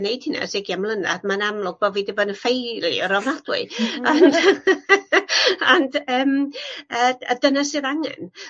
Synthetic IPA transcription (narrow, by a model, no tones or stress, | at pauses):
nejd̥hɪna̰sɪɡjamlˠəna̰dmanamlˠʊɡ̚b̥ɔvidɪbɔnəfejlˠḭɔɾɔvnad̥wɪ̰an | andəːməədənasɪðaŋɛ̰n